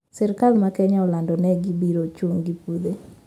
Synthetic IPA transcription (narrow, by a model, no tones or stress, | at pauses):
sɛɾkalmakɛɲaɔlandɔnɛɡibiɾot͡ʃoŋɡipud̪e